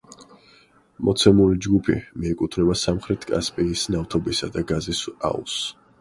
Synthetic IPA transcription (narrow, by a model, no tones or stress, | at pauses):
mɔt̪sʰɛmulid͡ʒɡupʰḭmiɛkʼut̪ʰnɛbasamχɾɛt̪ʰkʼa̰spʼiːsnaft̪ʰɔbisad̪aɡazisa̰ṵs